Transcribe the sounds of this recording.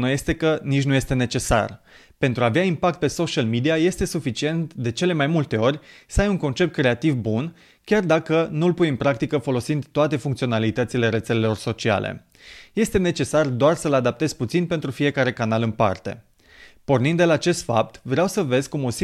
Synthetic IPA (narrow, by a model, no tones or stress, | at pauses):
nuje̞st̪e̞kənit͡ʃʲnuje̞st̪e̞ne̞t͡ʃe̞sa̰r | pe̞nt̪ɾuaːveaimpak̚t̪̚pe̞so̞ʃialmid̪iaje̞st̪e̞sufit͡ʃie̞nt̪d̪e̞t͡ʃe̞le̞majmult̪e̞o̞rʲsəajuŋko̞nt͡ʃe̞p̚t̪̚kɾe̞at̪ivbun | kʲard̪akənulpujɨnpɾak̚t̪ikəfo̞lo̞sind̪t̪oat̪e̞fuŋkt̪sionalit̪ət̪sile̞ɾe̞t̪se̞lelo̞rso̞t͡ʃia̰lḛ | je̞st̪e̞ne̞t͡ʃe̞sard̪oarsəlad̪ap̚t̪e̞z̥put̪sinpe̞nt̪ɾufije̞kaɾe̞kanalɨnpa̰rt̪e̞̰ | po̞rnind̪e̞laːt͡ʃe̞st̪fa̰p̚t̪vɾeawsəve̞zkumo̞si